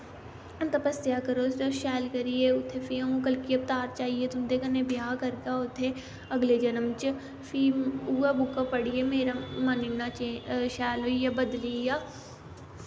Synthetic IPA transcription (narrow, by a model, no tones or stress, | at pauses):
ɐ̃nt̪ɐpəst̪jaːkəɾoːoʃɛːlkɐɾijeʊt̪ʰːefiɐɦũkɐlkiɐp̚t̪aːɾt͡ʃaːɦiet̪ʊmd̪ekɐnebjaːkɐɾkaʊt̪ʰe | ɐɡled͡ʒɐnəmt͡ʃ | fʰiːuːabʊkapɐɽiemeːɾamɐnɪnːaʃɛːlɦoijabɐd̪lijaː